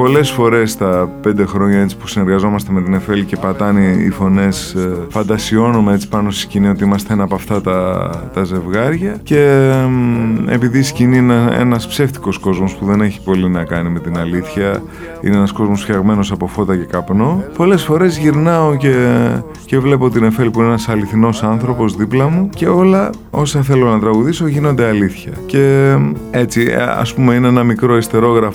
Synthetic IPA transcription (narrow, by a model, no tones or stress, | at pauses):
po̞le̞sfo̞ɾe̞st̪ɐpe̞nd̪e̞xɾo̞ɲɐe̞t͡si̥pusine̞ɾɣɐzo̞mɐst̪eme̞t̪ine̞fe̞lice̞pɐt̪ɐnḭːfo̞ne̞sfɐnd̪ɐsio̞numeet͡si̥pɐno̞st̪i̥scinio̞t̪iimɐst̪enɐpɐft̪ɐt̪ɐt̪ɐze̞vɣɐɾʝɐce̞ | e̞̰piðiscinienɐḛnɐspse̞ft̪i̥ko̞sko̞zmo̞spuðe̞ne̞çi̥po̞linɐkɐnime̞t̪inɐliθçɐ | ḭneenɐsko̞zmo̞sfçɐɣme̞no̞sɐpo̞fo̞t̪ɐce̞kɐpno̞po̞le̞sfo̞ɾe̞zʝiɾnɐo̞ce̞ | ce̞vle̞poot̪ine̞fe̞lipuineenɐsɐliθino̞sɐnθɾo̞po̞zðiplɐmuce̞o̞lɐ | o̞sɐθe̞lo̞nɐt̪ɾɐɣuðiso̞ʝinond̪e̞ɐliθçɐce̞ | e̞t͡siɐ̰spume̞ineenɐmikɾo̞ist̪e̞ɾo̞ɣɾɐf